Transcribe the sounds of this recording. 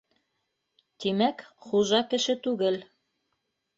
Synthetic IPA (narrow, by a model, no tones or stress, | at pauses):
t̪imækχuʒɑkɘ̆ʃɘt̪ʉɡɘl